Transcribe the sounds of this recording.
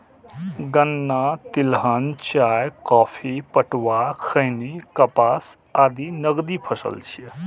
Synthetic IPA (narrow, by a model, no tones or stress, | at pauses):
ɡənːaːt̪ɪlɦənt͡ʃaːjkɔːpʰipəʈwaːkʰəjnikɐpaːs | aːd̪iːnəɡd̪iːpʰəsə̰lt͡ʃʰie